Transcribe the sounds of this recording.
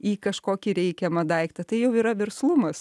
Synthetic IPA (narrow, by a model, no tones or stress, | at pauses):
iːkɐʃkoːkʲɪɾʲɛɪkʲɛmɐd̪ɐɪkt̪ɐt̪ɐɪjɛʊiːɾɐʋʲɛrslˠʊmɐs